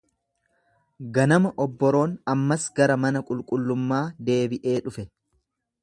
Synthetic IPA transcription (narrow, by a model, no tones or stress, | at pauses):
ɡɐnɐmɐʔɔbːɔɾo̞ːnɐmːɐsɡɐɾɐmɐnɐkʼʊlkʼʊlːʊmːaːd̪e̞ːbɪʔe̞ːᶑʊfɛ